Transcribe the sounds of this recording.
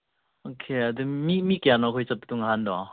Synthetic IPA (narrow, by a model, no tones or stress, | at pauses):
okʰeadumimikjanɔkʰɔjsɐp̚tuŋaɦandɔ